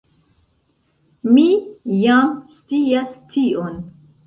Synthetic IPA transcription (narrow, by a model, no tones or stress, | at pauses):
mijamst͡siastʰiʔon